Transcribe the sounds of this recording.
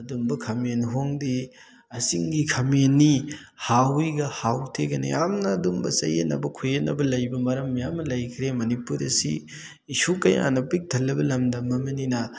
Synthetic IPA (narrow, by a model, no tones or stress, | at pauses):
ɐdumbɐkʰɐmenɦoŋdi | ɐsiŋɡikʰɐmenːihawiɡɐhawtʰeɡɐnḭjamnɐːdumbɐsɐ̰jḛnɐ̰bɐkʰujenːɐbɐlɐjbɐmɐɾɐmːijamɐlɐjkʰɾemɐnipuɾɐ̰sḭː | sukɐja̰nɐpik̚tʰɐlːɐbɐlɐmdɐmːɐmɐninɐ